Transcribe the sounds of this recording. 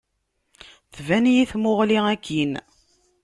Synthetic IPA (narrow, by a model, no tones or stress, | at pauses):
θvænjiθmoʁliækʰːin